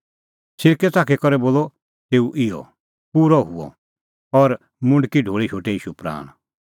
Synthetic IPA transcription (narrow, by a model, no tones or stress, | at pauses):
sɪɾkɛt̪aːkʰɛkɔɾɛboːlɔ | t̪eːuʔɪjɔ̰ | puːɾɔɦuɔ̰ | ɔɾ | mʊ̃ɳɖkiɖʱoːɭiʃʰoːʈɛiːʃupɾa̰ːɽ̃